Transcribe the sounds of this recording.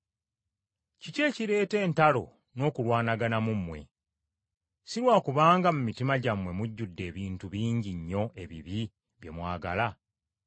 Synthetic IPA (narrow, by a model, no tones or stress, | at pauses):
cice̞ːciɾe̞ːte̞ːntalo̞ | no̞ːkulwaːnaɡanamumːwe̞̰ | siɾwaːkuβaːŋɡamumitimaɟamwe̞muɟːudːe̞ːβiːntuβiːɲɟiɲːo̞ʔe̞βḭβi | βje̞̰mwaːɡa̰la